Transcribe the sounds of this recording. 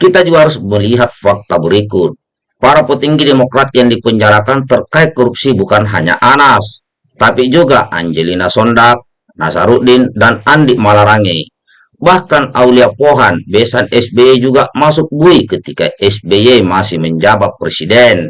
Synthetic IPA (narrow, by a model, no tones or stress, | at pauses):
kit̪ad͡ʒuaɾusməliɦat̪̚fak̚t̪abəɾikut̪̚ | paɾapət̪iŋɡidɛmɔkɾat̪̚jaŋdipəɲd͡ʒaɾakant̪ərkait̪̚kɔɾup̚sibukanɦa̰ɲa̰ʔanas | t̪apid͡ʒuɡaʔa̰ɲd͡ʒelinasɔndak̚ | nasaɾuʔdindanandiʔmalaɾaŋei | bahkanauliapoɦanbɛsanɛsbɛed͡ʒuɡamasuk̚buikət̪ikaɛsbejemasihməɲd͡ʒabat̪̚pːɾɛsidɛn